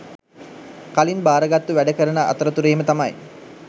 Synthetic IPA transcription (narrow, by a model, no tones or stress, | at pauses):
kalinbaːɾəɡat̪ːuʋæɖəkəɾənaʔːt̪əɾət̪uɾeːmət̪amaj